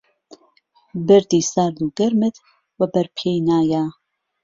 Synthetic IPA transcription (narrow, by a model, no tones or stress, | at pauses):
bɨɾd̪iːsaːɾd̪uɡɐɾmɨt̪ | wɐbɐɾpʰejnaːja